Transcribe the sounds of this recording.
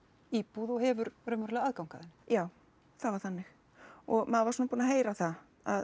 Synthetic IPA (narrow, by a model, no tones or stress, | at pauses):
iːpuðɔɣɦɛvʏɾrœmɛɾlɛɣaðkawŋkaðɪnːɪ̥jaːw | θavaɾ̥θanːɪx | ɔɣmaðvasuːnapuːnaɦeːjɾaθa | að